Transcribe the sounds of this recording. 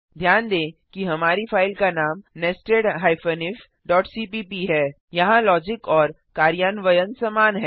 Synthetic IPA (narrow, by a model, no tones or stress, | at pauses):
d̪ʱjaːnd̪ẽːkiɦɐmaːɾifʰaːɪlkanaːmnɛːsʈeːɖɦaːɪfənɪf | ɖɔːʈsiːpiːpiɦɛː | jɐɦãlɔːd͡ʒɪkɔːɾ | kaːɾjaːnʋəjənsɐmaːnɦɛː